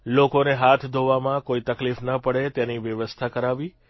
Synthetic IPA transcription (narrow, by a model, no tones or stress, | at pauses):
lokoneɦat̪ʰd̪ʱoʋamãkoit̪əklifnəpəɽet̪jeniʋjəʋəst̪ʰakəɾaʋi